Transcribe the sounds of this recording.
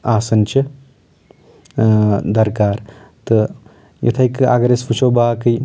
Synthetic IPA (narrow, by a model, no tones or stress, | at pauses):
aːsɐnt͡ʃɐ | d̪ɐɾkaːɾt̪ɨ | jʔɐ̰t̪ʰɐika̰ɡɐɾespʰut͡ʃʰoːbaːkɨj